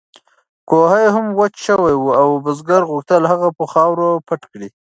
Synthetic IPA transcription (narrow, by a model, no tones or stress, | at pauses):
kohajɦamwat͡ʃʃəwajwuawbəzɡaɾɣuxt̪əlhaɣapəxɑwɾopaʈkɽi